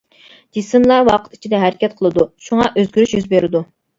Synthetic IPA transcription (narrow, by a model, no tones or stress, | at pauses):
d͡ʒisɨmlˠɑɾwɑqʰə̥t̪i̥t͡ʃʰid̪ɛɦæɾɪkʲɛt̪̚qʰəlˠɨd̪uʃuŋɑʔøzɡʲyɾyʃjyzbeɾɪd̪u